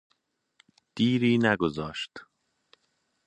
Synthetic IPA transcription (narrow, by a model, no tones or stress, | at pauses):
d̪̥iːɾiːnæɡozɒːʃt̪